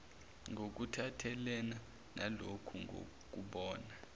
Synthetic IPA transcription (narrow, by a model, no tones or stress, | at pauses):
ŋʱok̬utʰatʰɛlɛna | na̰lokʰuŋo̰ | k̬ʼuɓɔːna